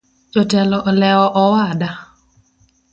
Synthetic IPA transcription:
d͡ʒɔtɛlɔʔlɛɔʔɔwada

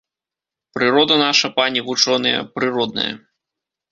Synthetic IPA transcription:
pɾɨɾɔd̪ɐnaʂɐpanʲiɣut͡ʂɔnɨjɐ̰pɾɨɾɔd̪nɐ̰jɐ̰

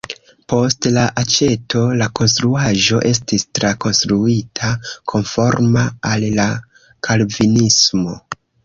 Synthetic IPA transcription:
po̞stlaʔat͡ʃe̞tʰo̞lako̞nstɾuaʒo̞ʔe̞s̬tistɾako̞nstɾuitʰakʰo̞nfo̞ɾmaalːa | kʰalvinismo̞

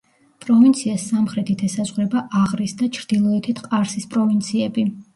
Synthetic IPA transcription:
pʼɾɔvint̪sʰiasamχɾɛt̪ʰit̪ʰɛsazʁɾɛbaʔaʁɾisd̪at͡ʃʰɾd̪ilˠɔɛt̪ʰit̪ʰqʼaɾsispʼɾɔvint̪sʰiɛbi

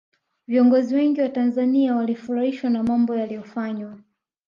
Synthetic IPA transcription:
viɔŋɡɔziwɛŋɡiwatanzaniawalifuɾahiʃwanamambɔjalijɔfaɲwa

